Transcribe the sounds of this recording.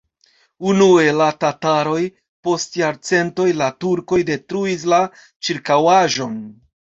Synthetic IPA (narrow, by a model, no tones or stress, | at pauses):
unue̞latataɾo̞j | po̞stjaɾt͡se̞nto̞jlatuɾko̞jde̞tɾuis̬la | t͡ʃiɾkawaʒo̞n